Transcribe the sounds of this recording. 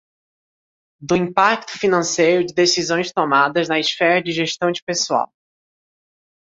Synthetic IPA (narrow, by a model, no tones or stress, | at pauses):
d̪ʊĩpak̚t̪ʊ̥finɐ̃sejɾʊd͡ʒɪd̪esizõj̃st̪omad̪ɐznɐisfɛɾɐd͡ʒɪʒeʃt̪ɐ̃w̃d͡ʒɪpesua̰w